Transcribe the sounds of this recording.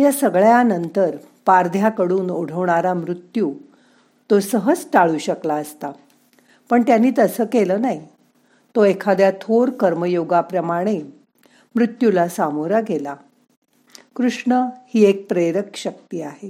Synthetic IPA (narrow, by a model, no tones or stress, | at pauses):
jasəɡɭjanənt̪əɾ | paɾd̪ʱjakəɽuːnoɽ̤əʋɳaɾamɾut̪juː | t̪osəɦəd͡zʈaɭuːɕəklaəst̪a | pəɳt̪janːiːt̪əsəːkeləːnaɦi | t̪oekʰad̪jat̪ʰoɾkəɾməjoɡapɾəmaɽ̃e | mɾut̪julasamoɾaɡʱela | kɾuʂɳəhiːek̚pɾeɾəkɕək̚t̪iːaɦe